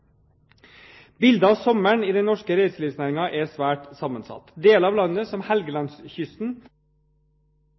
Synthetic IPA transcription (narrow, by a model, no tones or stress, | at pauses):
bɪld̪ɑɑːʋsɔməɳiːd̪ɛnɔʂkəɾeːsliːʋsnæːɾɪŋɑʔɛsʋæːʈsɑmənsɑ̰t̪d̪eːlɑːʋlɑnːəsɔmhælɡəlɑnsçʏst̪n̩